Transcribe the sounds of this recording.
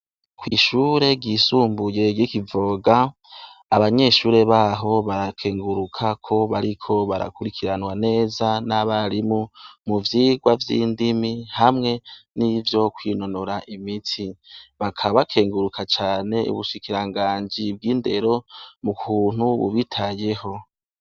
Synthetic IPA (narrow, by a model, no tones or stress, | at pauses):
kwiːʃuːɾe̞ɡiːsuːmbuje̞ɡikivo̞ɡaː | βaɲe̞ʃuːɾe̞βaːɦo̞βaɾakʰe̞ːŋɡuɾukʰakʰo̞βaɾikʰo̞βaɾa̰kuɾikʰiɾanwane̞ːzanaβaɾimumuvjiːɡwavjḭːndimihamŋe̞nivjo̞kwiːno̞noɾaʔimitʰiβakʰaβakʰe̞ːŋɡuɾukʰat͡ʃaːne̞ṵβuʃikiɾaŋɡaːɲd͡ʒib̚ɡiːnde̞ɾo̞mukʰuːn̥uβṵβitʰaje̞ho̞